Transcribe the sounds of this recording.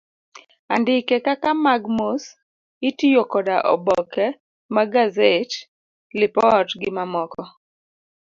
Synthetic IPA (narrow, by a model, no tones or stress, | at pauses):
andɪkɛkakamaɡmos | ɪtijokɔdaʔɔ̰bɔkɛ | maɡazet | lɪpɔtɡɪmamɔkɔ